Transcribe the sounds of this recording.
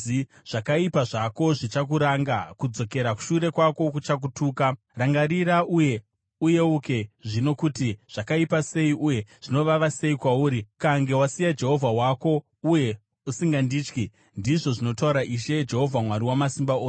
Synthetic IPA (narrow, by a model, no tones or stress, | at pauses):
i | ʐ̥akaipaʐako̞ʐit͡ʃak̬uɾaŋɡakud͡zo̞ke̞ɾaku̥ʃuɾe̞kwako̞k̬ut͡ʃak̬utuːka | raŋɡaɾiɾaʔuje̞ | uje̞uke̞ʐino̞kutiʐ̥akaipase̞iʔuje̞ʐ̥ino̞ʋaʋase̞ikwauːɾikaŋɡe̞wasijad͡ʒe̞ɦo̞vʱawako̞ | uje̞ | usiŋɡandiːt͡ʃki | ndiʐo̞ʐino̞tauɾaʔiʃe̞d͡ʒe̞ɦo̞vʱamwaɾiwamasimbaoː